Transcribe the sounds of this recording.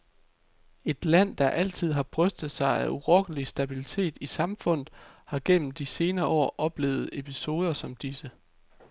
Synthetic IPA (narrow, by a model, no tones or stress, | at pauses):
e̝d̥læn̰d̥ɑ̈ʔæl̰t͡sʰið̞̰ˠɦɑ̈b̥ʁœsd̥ð̞̩ˠsɑ̈ɪæʔuʁɒɡ̥n̩lisd̥æb̥ilit͡sʰe̝̰ːd̥isɑ̈mfɔ̽n̰ð̩ˠhɑ̈ɡ̥en̰m̩d̥ise̝ːnɐːɒ̰ːʔɒ̽b̥le̝̰ːʊð̞̩ˠe̝pʰiso̝ːð̞ˠɐsɒ̽md̥isə